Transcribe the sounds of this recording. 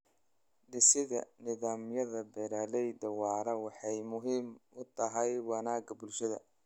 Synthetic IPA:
ɖ̪ɪsɪðɐnɪðaːmjɐðɐbɛɾaːlɛjd̪ɐwɑːɾɐwɑħɑjmʊɦiːmʔʊt̪ʰɐɦɛjwɑnaːɡɐbʊlʃɐðɐ̰

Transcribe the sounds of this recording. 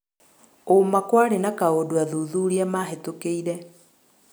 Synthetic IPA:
omakwaɾenakaodoaðuðuɾiamaɦetokeiɾɛ

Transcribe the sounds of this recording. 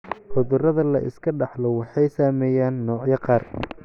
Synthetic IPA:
hʊðʊrɐðɐlɐ̰ʔɪ̰skʰɐɖɑħlɔwɑħɑjsaːmɛːjaːnːɔːʕjɐqɑːr

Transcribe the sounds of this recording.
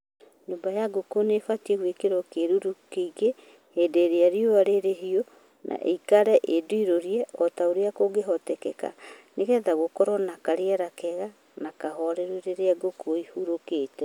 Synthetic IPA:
ɲoːmbajaɡokonefatieɣwekeɾɔkeɾuɾukeiɣe | hedeɾeaɾioaɾeɾeɦio | nʔa̰ʔḛikaɾɛʔedoiɾoɾiɛɔtaoɾeakoɡeɦɔtɛkɛka̰neɣɛðaɣokɔɾɔnakaɾeɛɾakɛɣa | nakaɦɔɾeɾuɾeɾeaɡokoihuɾokeːtɛ

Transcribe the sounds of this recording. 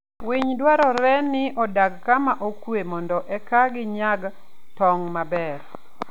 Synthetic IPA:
wiɲdwaɾɔɾɛnɪʔɔdaɡkamaʔokwemɔndɔʔɛkaɡɪɲaɡ | tɔŋmabɛɾ

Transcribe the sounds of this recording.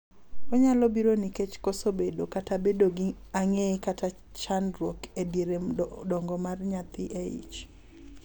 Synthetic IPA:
kɔɲalɔbiɾoniket͡ʃkosobedokatabedoɡɪaŋekata | t͡ʃanɾwokediɾedɔŋɡɔmarɲat̪ɪʔeḭt͡ʃ

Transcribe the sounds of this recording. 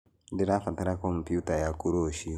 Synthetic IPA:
diɾafataɾakomputajakuɾoːʃi

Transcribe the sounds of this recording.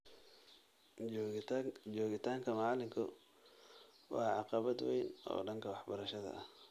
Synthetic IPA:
d͡ʒɔːɣɪt̪ʰaːŋkʰɐmɑlɪŋkʰʊ̰ | wɑːʕɑqɑβɐd̪wɛ̰jnɔ̰ːɖɐŋkʰɐwɑħbɐɾɐʃɐðɐ̰ɐh

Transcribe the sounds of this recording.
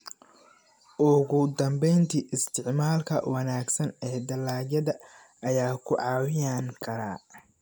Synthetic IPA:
ʔʊɣʊd̪ɐmbɛjnt̪ʰiːʔɪst̪ʰɪʕmaːlkʰɐ̰wɐnaːɡsɐnɛːd̪ɐlaːjɐðɐ | ɐjaːkʰʊʕɑːwɪjaːŋkʰɐɾa̰ː

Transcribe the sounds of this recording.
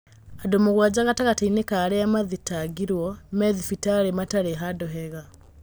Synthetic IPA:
adomoɣwad͡ʑaɣataɣatainekaːɾeamaðitaɡiɾwɔmɛðifitaɾemataɾeɦadɔɦɛɣa

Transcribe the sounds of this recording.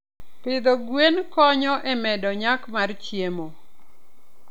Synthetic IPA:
pɪd̪oɡwenkɔɲɔʔɛmɛdɔɲakmart͡ʃjemo

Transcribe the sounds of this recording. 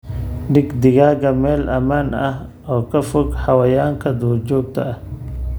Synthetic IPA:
ɖɪɡd̪ɪɣaːɣɐmɛːlʔɐmaːnɐh | ɔːkʰɐfʊɡħɑwɐjaːŋkʰɐd̪uːt͡ʃɔːɡ̚t̪ʰɐ̰ɐh

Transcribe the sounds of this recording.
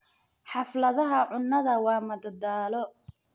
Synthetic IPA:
ħɑflɐðɐɦɐʕʊnːɐðɐwɑːmɐd̪ɐd̪aːlɔ

